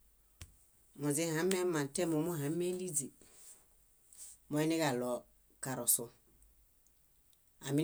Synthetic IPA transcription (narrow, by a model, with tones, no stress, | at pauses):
mʊ˨d͡zɪ˦ɦã˨˦mɛ˦mã˨tɛ˦mu˨˦mu˦ɦã˨˦mɛ˦li˦d͡zi˨ | mɔ˦ɛ˦nɪ˦ɡa˨lɔ˨ | ka˨ɾɔ˨sʊ˦ | a˨mi˦